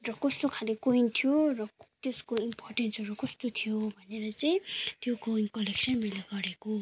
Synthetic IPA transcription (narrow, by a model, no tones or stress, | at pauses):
rʌkʌst̪okʰalikoint̪ʰijorʌt̪jeskoimporʈensʌɾukʌst̪ot̪ʰijobʱʌneɾʌt͡sʌĩt̪jokoinkʌleksʌnmʌjlaɡʌɾeko